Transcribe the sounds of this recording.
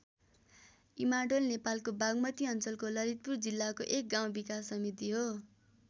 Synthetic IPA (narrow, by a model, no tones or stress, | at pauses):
imaɖolnepalkobaɡmʌt̪iʌnt͡sʌlkolʌɾit̪̚purd͡zilːakoʔek̚ɡaw̃bikasːʌmit̪iɦo